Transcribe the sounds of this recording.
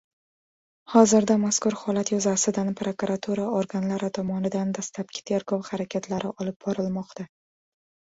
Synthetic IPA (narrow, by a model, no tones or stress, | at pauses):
hɒzɪɾd̪amaskʊɾhɒlat̪jʊzasɪd̪anpɾokuɾat̪ʰuɾaoɾɡanlaɾɪt̪ʰɒmɒnɪd̪and̪aslap̚kʲʰɪ̥t̪ʰe̞ɾɡɒwχaɾakʲʰat̪ʰlaɾʔɪʔɒlɪp̚bɒɾɪlmɒqt̪ʰa